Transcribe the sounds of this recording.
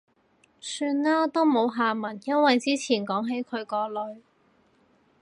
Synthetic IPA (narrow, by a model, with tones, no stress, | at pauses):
syː˧nlaː˥t̪o˥wmo˨˧wɦaː˨mɐ˨˩njɐ˥nwɐ˨jt͡siː˥t͡sʰiː˨˩nkɔː˨˥ŋɦe˨˥jkʰɵ˨˧ɥkɔː˧lɵ˨˧ɥ